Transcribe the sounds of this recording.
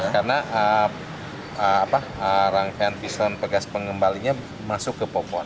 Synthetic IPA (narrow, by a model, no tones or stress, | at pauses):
karnaʔə | əapa | əɾaŋfanfisɔnpəɡaspəŋəmbaliɲa | masʊkːəpopɔn